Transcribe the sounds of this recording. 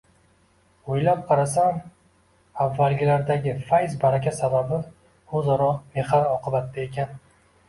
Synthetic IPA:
ojlap̚qʰɑɾasam | avːalɡʲɪlaɾd̪aɡʲɪfajzbaɾakʲasababɪ | hozaɾɒqme̞χaɾɒqɨbat̪ːae̞kʲan

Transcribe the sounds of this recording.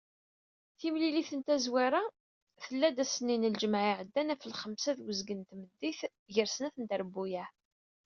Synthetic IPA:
θimliliθənt̪æzwaɾa | θəlːæd̪æsənːinəld͡ʒəmʕiʕəd̪ːænæfəlχəmsæðwəzɡənt̪məd̪ːiθ | ʝəɾsənæθənt̪əɾbujæ

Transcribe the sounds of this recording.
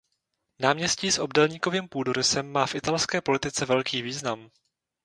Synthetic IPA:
naːmɲɛsciːsʔo̞bdɛlɲiːko̞viːmpuːdoɾɪsɛmːaːfʔɪt̪alskɛːpo̞lɪt̪ɪt͡sɛvɛlkiːviːznam

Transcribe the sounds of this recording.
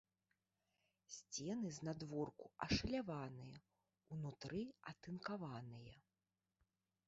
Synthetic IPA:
sʲt͡sʲɛnɨzʲnad̪vɔrkuɐʂɐlʲavanɨjɐ | wnut̪ɾʔɨɐt̪ɨnkavanɨjɐ

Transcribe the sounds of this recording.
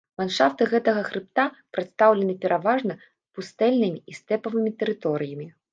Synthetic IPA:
vanʂaft̪ɨɣɛt̪ɐɣɐxɾɨp̚t̪apɾɨt̪st̪awlʲɛnɨpʲɛɾʔavaʐnɐ | spust̪ɛlʲnɨmʲiist̪ɛpɐvɨmʲit̪ɛɾɨt̪ɔɾɨjɐmʲi

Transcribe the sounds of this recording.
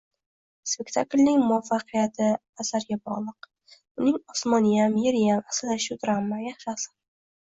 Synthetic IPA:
spe̞kʲt̪ʰaklʲnɪŋmʊafːɑqʰɨjat̪ʰɪ | asaɾɡʲabɒ̰ʁlˠɨq | ʊnɪŋɒsmɒnɪjamjeɾɪjamasɪlaʃʊd̪ɾamːajaχʃasɪ̥

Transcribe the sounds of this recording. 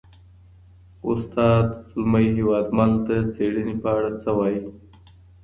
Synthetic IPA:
ʊst̪ɑd̪ʊlmaiɦewɑːd̪malt̪at͡seɽinipəaɽat͡səwɑji

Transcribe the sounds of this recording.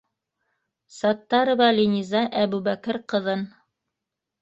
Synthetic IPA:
sɑt̪ːɑɾɤ̆βɑlʲinʲizɑʔæβʉbækɘɾqɤ̆ðɤn

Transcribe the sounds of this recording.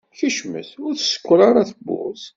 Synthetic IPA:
çəʃmə̰θʊɾθsə̥kʷːɾˤɑɾˤaθəbːʊ̰s

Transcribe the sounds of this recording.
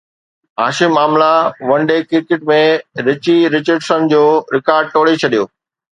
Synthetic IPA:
ɦaːʃɪmaːmlaʋɐ̃ɳɖekɪɾkɪʈmẽɾɪt͡ɕiɾɪt͡ɕəɾɖsənd͡ʑoːɾɪkaːɾɖ̚ʈoːɽet͡ɕʰɐɗijoː

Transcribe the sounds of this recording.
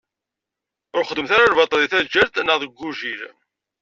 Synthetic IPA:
ʊɾχəd̪ːəmθaɾalvɑt̪ˤliθæd͡ʒːæɾt̪nəʁðəɡʷːuʒiɾ

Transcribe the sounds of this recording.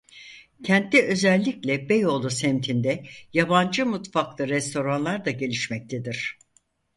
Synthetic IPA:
cʰɛnt̪ːɛø̞zɛlʲːiclʲɛbejo̞lˠusɛmt̪ʰind̪ɛjaband͡ʒɯmut̪faklˠɯɾɛst̪ʰo̞ɾanlˠaɾd̪aɟe̞lʲiʃmɛc̚t̪ʰed̪iɾ̝̥

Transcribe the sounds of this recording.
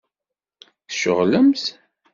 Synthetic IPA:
θʃə̰ʁləmθ

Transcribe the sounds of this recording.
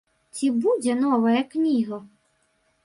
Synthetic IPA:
t͡sʲibudʲɐnɔʋɐjɛknʲiɦɔ

